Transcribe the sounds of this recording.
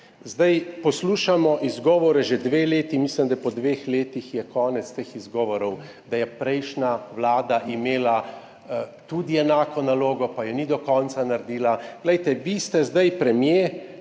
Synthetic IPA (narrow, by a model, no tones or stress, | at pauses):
zd̪ajpɔsluːʃamɔʔizɡɔːʋɔɾɛʒɛd̪ʋeːleːt̪imislimd̪apɔd̪ʋeːxleːt̪ixjɛkɔːnɛt̪st̪eːxizɡɔːʋɔɾɔw | d̪ajɛpɾɛjʃnawlaːd̪aʔimeːla | t̪ud̪iɛnaːkɔnaloːɡɔpajɛnid̪ɔkɔnsanaɾd̪iːlaɡ̥lɛjt̪ɛʋist̪ɛzd̪ajpɾɛmje